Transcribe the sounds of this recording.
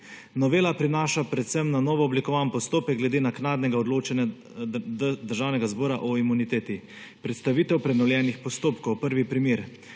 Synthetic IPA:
nɔʋeːlapɾinaːʃapɾɛt̪sɛmnanɔːʋɔɔblikɔʋaːnpɔst̪oːpɛk̚ɡlɛd̪eːnaknaːd̪nɛɡaɔd̪loːt͡ʃɛnja | d̪əɾʒaːwnɛɡazbɔːɾaʔɔimunit̪eːt̪i | pɾɛt̪st̪aʋiːt̪ɛwpɾɛnɔwljɛːnixpɔst̪oːpkɔwpəɾʋipɾimeːɾ

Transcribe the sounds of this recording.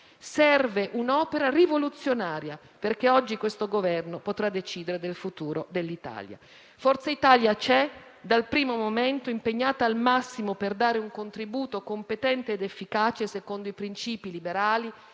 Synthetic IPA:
sɛrveʔunɔːpeɾarivolut̪sːjonaːɾja | perkeɔd͡ʒːikwest̪oɡovɛrnopot̪ɾad̪ːet͡ʃiːd̪eɾed̪elfut̪uːɾod̪elːit̪a̰ːlja̰ | fɔrt̪seit̪aːljat͡ʃɛ | d̪alpɾiːmomoment̪oimpeɲːaːt̪aːlmasːimoperd̪aːɾeuŋkont̪ɾibuːt̪okompet̪ɛnt̪eːd̪efːikaːt͡ʃesekond̪oipɾint͡ʃiːpilibeɾaːli

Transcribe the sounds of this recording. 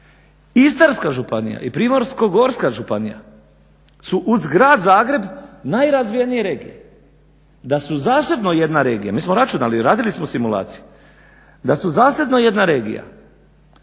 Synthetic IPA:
ist̪aɾskaʒupanḭja̰ipɾiːmo̞ɾsko̞ɡo̞ɾskaʒupanija̰ | suʔuzɡɾaːd̪zaːɡɾe̞bnajɾazʋijenije̞ɾe̞ːɡḭjḛ | d̪asuzaːse̞d̪no̞je̞d̪naɾe̞ːɡija̰miːsmoɾat͡ʃunaliɾaːd̪ilismosimula̰ːt̪sije | d̪asuzaːse̞d̪no̞je̞d̪naɾe̞ːɡḭja̰

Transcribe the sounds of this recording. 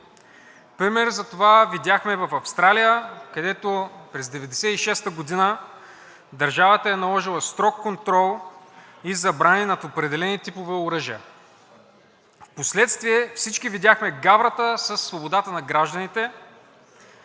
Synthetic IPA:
pɾimɛɾzɐt̪ovavid̪ʲjaxmɛvɐfɐfst̪ɾalijəkɐd̪ɛt̪opɾɛzd̪ɛvɛd̪ɛsɛiʃɛst̪əɡod̪inə | d̪ɐɾʒavət̪əɛnɐlˠɔʒilˠɐst̪ɾɔkːont̪ɾɔlˠ | izɐbɾaninɐt̪opɾɛd̪ɛlɛnit̪ipovɛoɾəʒiə | fposlɛt̪st̪viɛfsit͡ʃkivid̪ʲjaxmɛɡavɾət̪əsəsːvobod̪at̪ənɐɡɾaʒd̪ənit̪ɛ

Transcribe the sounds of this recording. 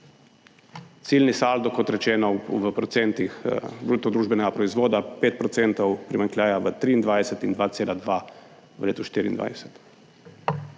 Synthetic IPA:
t̪siːlnisaːld̪ɔkɔt̪ɾɛt͡ʃɛːnɔʋəpɾɔt̪sɛnt̪ixbɾut̪ɔd̪ɾuːʒbɛnɛɡapɾɔizʋoːd̪apeːt̪̚pɾɔt̪sɛːnt̪ɔwpɾimaŋkljaːjaʋət̪ɾiːnd̪ʋajsɛt̪ind̪ʋaːt̪seːlad̪ʋa | ʋəleːt̪uʃt̪iːɾḭːnd̪ʋa̰jsɛ̥t̪

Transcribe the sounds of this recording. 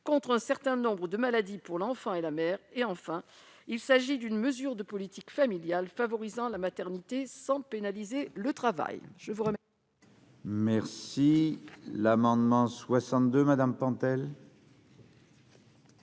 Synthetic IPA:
kɔ̃t̪χɛ̃sɛʁt̪ɛ̃nɔ̃bʁəd̪əmalad̪ipuʁlɑ̃fɑ̃elamɛːʁeɑ̃fɛ̃ilsaʒid̪ynməzyʁd̪əpɔlit̪ikfamiljalfavɔʁizɑ̃lamat̪ɛʁnit̪esɑ̃penalizelət̪χava̰jʒ̥əvuʁəmɛ | mɛʁsilamɑ̃d̪mɑ̃swasɑ̃t̪̚d̪ømad̪ampɑ̃t̪ɛl

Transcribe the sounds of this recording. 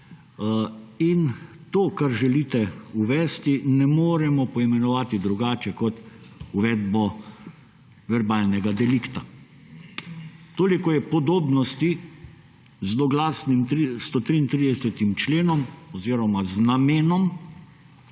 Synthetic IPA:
int̪oːkaɾʒɛliːt̪ɛuʋɛːst̪inɛmoːɾɛmɔpɔimɛnɔʋaːt̪id̪ɾuɡaːt͡ʃɛkɔt̪uʋɛːd̪bɔ | ʋɛɾbaːlnɛɡad̪ɛlikt̪a | t̪oːlikɔjɛpɔd̪oːbnɔst̪i | zd̪ɔɡlaːsnimist̪ot̪ɾiːnt̪ɾid̪ɛsɛt̪imt͡ʃleːnɔmɔziːɾɔmaznameːnɔm

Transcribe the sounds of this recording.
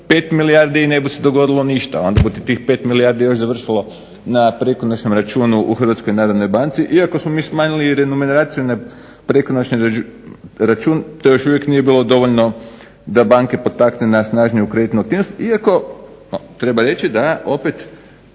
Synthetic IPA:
pe̞ːt̪miliaɾd̪ine̞bise̞d̪oɡo̞d̪ilˠoniʃt̪a̰o̞nd̪abut̪it̪iːxpe̞ːt̪miliaɾd̪ijo̞ʃzaʋr̩ʃilˠo̞ | napɾe̞konot͡ʃnomɾat͡ʃuːnuʔuxr̩ʋat̪skojnaːɾod̪nojbant̪siʔiako̞smo̞miːsmaːɲiliɾe̞numenɾat̪sijuna | pɾe̞konot͡ʃni | ɾat͡ʃuːnt̪ojoʃuʋjeknije̞biːlˠo̞d̪o̞ʋoʎno̞ | d̪abaŋke̞po̞t̪aknenasnaːʒnijukɾe̞d̪it̪nuakt̪iʋnost̪iako̞at̪ɾe̞baɾe̞t͡ʃid̪ao̞pet̪

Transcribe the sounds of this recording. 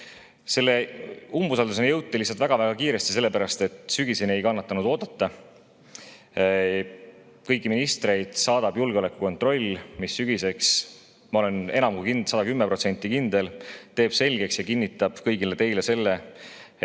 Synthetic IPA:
se̞lːe̞umbusɑld̪us̬enejɤwt̪ːˑelisːɑlt̪væɡ̥ɑvæɡ̥ɑkiːɾe̞st̪i̥se̞lːe̞pæɾɑst̪e̞t̪syɡ̥isenie̞jkɑnːɑt̪ːˑɑnud̪o̞ːd̪̥ɑt̪ːˑɑ | kɤ̞jkˑːiminist̪re̞jd̪̥sɑːd̪̥ɑb̥julɡ̥eo̞le̞kːˑuko̞nt̪ˑro̞lʲːmisːyɡ̥ise̞ks | mɑo̞le̞ne̞nɑmkujkinsɑd̪ɑkymːepɾro̞t̪se̞nʲt̪ːˑikind̪̥elt̪e̞ːb̥se̞lʲɡe̞ksjɑkinːit̪ːˑɑb̥kɤjɡilet̪e̞jlese̞lːe̞

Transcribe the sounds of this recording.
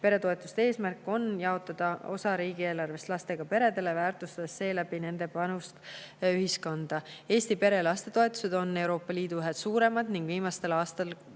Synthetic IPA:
pe̞ɾe̞t̪o̞et̪ːˑust̪ee̞ːsmærkːˑo̞njɑo̞t̪ːˑɑd̪̥ɑo̞̰sɑɾiːɡ̥ieːlɑrve̞st̪lɑst̪e̞ɡ̥ɑpe̞ɾe̞d̪e̞le̞væːrt̪ˑust̪ɑd̪̥esːe̞ːlæbine̞nd̪e̞pɑnust̪yɦisko̞nd̪̥ɑe̞ːst̪ipe̞ɾe̞lɑst̪e̞t̪o̞e̞t̪ːˑu̥se̞d̪̥o̞nːe̞wɾo̞ːpːˑɑliːd̪uyɦed̪̥suːɾe̞mɑd̪niŋɡ̥viːmɑst̪e̞lɑːst̪ɑl

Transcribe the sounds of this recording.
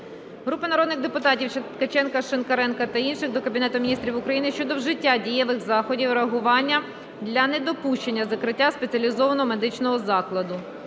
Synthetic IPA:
ɦɾupɪnɐɾɔd̪nɪɣd̪epʊt̪ɑtʲiw̪kɐt͡ʃɛnkɐʃenkɐɾɛnkɐt̪ɐinʃɪxd̪ɔkɐbʲinɛt̪ʊmʲnʲist̪ɾʲiwʊkɾɐjinɪʃt͡ʃɔd̪ɔwʒɪtʲːadʲijɛʋɪɣzɑxɔdʲiwɾeɐɦʊʋɑnʲːɐ | d̪lʲɐnɛd̪ɔpuʃt͡ʃenʲːɐzɐkɾɪtʲːaspet͡sʲiɐlʲizɔʋɐnɔɦɔme̞d̪ɪt͡ʃnɔɦɔzɑklˠɐd̪ʊ

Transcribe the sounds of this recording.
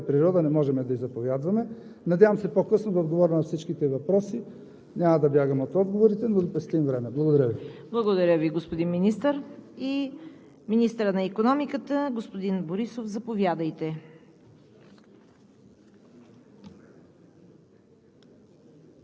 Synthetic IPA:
pɾiɾɔd̪ɐnɛmɔʒɛmɛd̪ɐizɐpovʲjad̪vɐmɛ | nɐd̪ʲjavəmsɛpokɤsnod̪ɐod̪ɡovɔɾʲəmnɐfsit͡ʃkit̪ɛvɐpɾɔsi | nʲamɐd̪ɐbjaɡəmot̪ɔd̪ɡovoɾit̪ɛnod̪ɐpɾɛst̪imvɾɛmɛblˠɐɡod̪ɐɾʲəviblˠɐɡod̪ɐɾʲəviɡospod̪inminist̪əɾi | minist̪əɾənɐikonɔmikət̪əɡospod̪inboɾisofzɐpovʲjad̪əjt̪ɛ

